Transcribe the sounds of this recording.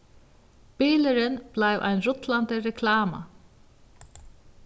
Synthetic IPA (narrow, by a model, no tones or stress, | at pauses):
piːlɪɾɪnb̥lajvʔa̰jnɾʊt̪lant̪ɪɾɛkʰlaːma̰